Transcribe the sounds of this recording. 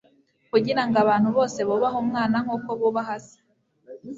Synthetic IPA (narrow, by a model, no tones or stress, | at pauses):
kuɟiɾaŋɡaβaːn̥huβo̞ːse̞βoβaɦomŋaːnaŋ̥uːkoβuβaɦaze̥